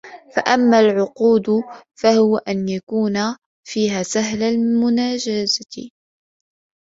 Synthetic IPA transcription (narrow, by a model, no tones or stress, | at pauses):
fa̰ʔamːaːlʕʊquːd̪fahʊwaʔanjakuːna | fiːɦaːsaɦlalmʊnaːd͡ʒazaɪ